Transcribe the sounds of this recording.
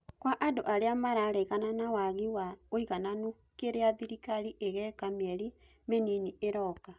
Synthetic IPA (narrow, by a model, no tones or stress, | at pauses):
kwaʔadoʔaɾeamaɾaɾɛɣananawaɣiwaoiɣanano | keɾeaðiɾikaɾiʔeɣɛkamɛɾi | meninieɾɔka